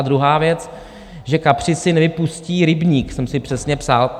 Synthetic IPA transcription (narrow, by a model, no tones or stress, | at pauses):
d̪ɾuɦaːvjɛt͡s | ʒɛkapr̥ɪsɪnɛvɪpusciːɾɪbɲiːksɛmsɪpr̝̥ɛsɲɛpsal